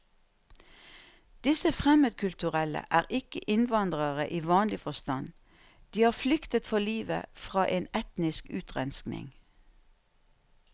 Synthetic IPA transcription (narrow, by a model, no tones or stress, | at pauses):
d̪̥ɪsəfʁɛməd̪̚kʰʉlt̪ʉʁɛlə̰ʔæːʁʔɪkəʔɪnʋɑnd̪ʁəʁəʔiːʋɑːnlɪfɔst̪ɑn | d̪̥iːhɑːʁflʏkt̪ət̪fɔliːʋə̰fʁɑːʔeːnɛt̪nɪskʉːt̪ʁɛnsknɪ̰ŋ